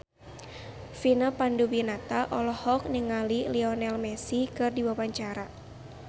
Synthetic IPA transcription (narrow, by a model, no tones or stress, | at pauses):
finəpandubinat̪aʔɔlɔhɔk̚niŋaliliɔnɛlmɛsikɨrdiwawaɲt͡ʃaɾa